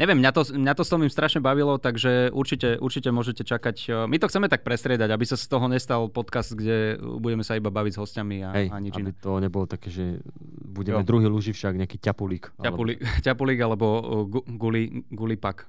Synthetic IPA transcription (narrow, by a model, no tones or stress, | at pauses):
ɲɛʋɛmːɲat̪ɔmɲat̪ɔst̪ɔmimst̪ɾaʃɲɛbaʋilɔt̪aɡʒɛʔuɾt͡ʃicɛʔuɾt͡ʃicɛmʊɔʒɛcɛt͡ʃakacmit̪ɔxt͡sɛmɛt̪ak̚pɾɛst̪ɾɪɛd̪aɟabisast̪ɔɦɔɲɛst̪alpɔt̪kazd̪ɡɟɛbuɟɛmɛsaibabaʋiɟzɦɔscamiaɦɛjaɲid͡ʒinit̪ɔɲɛbɔlt̪akɛːʒɛ | buɟɛmɛd̪ɾuɦiːluʒifʃaɡɲɛakicapulikaapulikcapuliɡalɛbɔɡuɡuliɡulipak